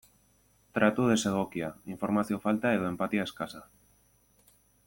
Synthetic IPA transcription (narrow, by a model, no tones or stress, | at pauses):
t̪ɾat̪uð̞eseɣokjaiɱfoɾmaθjofalt̪aeðoempat̪iaeskasa